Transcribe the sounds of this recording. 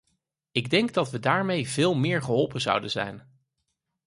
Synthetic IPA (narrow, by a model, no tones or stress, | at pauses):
ɪɡdɛŋɡdɑtʋədaːɹmejvɪːlˠmɪːɹχəɦɔlˠpənzʌ̰wdənzɛ̰jn